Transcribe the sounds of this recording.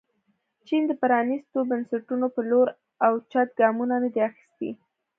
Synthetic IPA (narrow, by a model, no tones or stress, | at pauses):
t͡ʃind̪əpaɾɑnist̪obansaʈunopəloɾ | awt͡ʃɑt̪̚ɡɑmunanad̪eaxi̥st̪ḭ